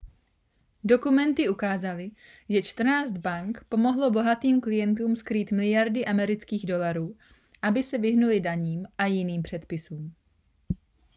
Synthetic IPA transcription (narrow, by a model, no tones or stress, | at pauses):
do̞kumɛnt̪ɪʔukaːzalɪ | ʒɛt͡ʃt̪r̩naːt͡sd̪baŋkpo̞mo̞ɦlo̞bo̞ɦat̪iːmklɪjɛnt̪uːmskɾiːt̪mɪlɪjaɾdɪʔamɛɾɪt͡skiːɣdo̞laɾuː | ʔabɪsɛvɪɦnulɪdaɲiːmʔajɪniːmpr̝̥ɛt̪pɪsuːm